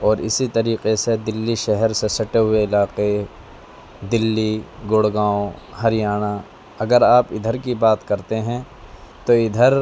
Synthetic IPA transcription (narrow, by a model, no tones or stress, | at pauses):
ɔːɾɪ̰sit̪ɐɾiːqesed̪ɪlːiʃɛɦɛɾsesɐʈeɦʊeɪlaːqe | d̪ɪlːiɡʊɽɡãːõhɐɾɪjaːña | ɐɡəɾaːpɪd̪ʱəɾkibaːt̪kɐɾt̪eɦɛ̃ | t̪oɪd̪ʱəɾ